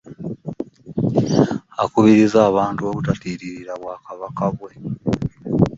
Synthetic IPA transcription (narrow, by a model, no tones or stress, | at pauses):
akuβiɾizaːβaːntuoβutatiːɾiɾiɾaβwaːkaβakaβwe̞